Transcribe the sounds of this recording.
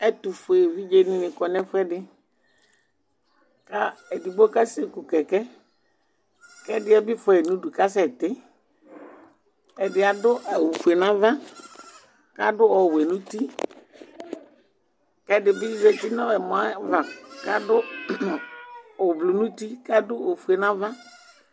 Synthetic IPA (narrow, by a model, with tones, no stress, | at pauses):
ɛ˦t̪u˨fʊ˨e˨vi˦d͡ʒe˦nɪ̃˦nɪ̃˨kɔ˨nɛ˦fʊ˦ɛ˦dɪ˦ | ka˦ɛ˨di˨bo˦ka˦se˦ku˨kɛ˨kɛ˦ | kɛ˦dɪ˦ɛ˦bɪ˦fɛ˨nũ˦du˨ka˦s̬ɛ˨t̪ɪ˦ | ɛ˨dɪ˨a˨dʊ˦ɛ˨wu˨fu˨e˨nã˦va˦ | ka˦dʊ˦ɔ˨wɛ˨nũ˦ti˦ | kɛ˦dɪ˨bɪ˦zɛ˨ti˦nɔ̃˦ɛ˨mɔ̃˨a˦va˨ka˦dʊ˦ | ɔ˨blu˨nũ˦ti˦ka˦dʊ˦o˨fu˨e˨nã˦vã˦